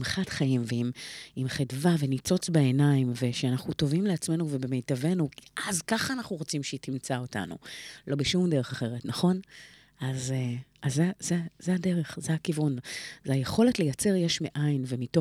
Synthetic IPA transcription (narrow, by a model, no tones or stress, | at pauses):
mχatχaimveimimχidvavenit͡so̞t͡sbeenaimve̞ʃeanaχnuto̞vimleat͡sme̞nuve̞be̞me̞jtave̞nuʔazkaχaːnaχnuʁot͡simʃeitimt͡sao̞ta̰nṵlo̞beʃumde̞ʁe̞χaχe̞ʁetnaχo̞n | azazezezeade̞ʁe̞χzeakivunzeajeχo̞le̞tle̞jat͡se̞ʁjeʃmiʔajnvemito